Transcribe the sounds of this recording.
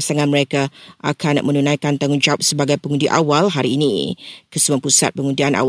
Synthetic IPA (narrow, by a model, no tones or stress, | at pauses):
saŋãnməɾekaa̰kanmʔənunãjkant̪aŋʊŋd͡ʒawap̚səbaɡajpəŋũndiʔa̰walɦaɾiːnḭkəsəmuapusa̰t̪̚pəŋũndianʔa̰w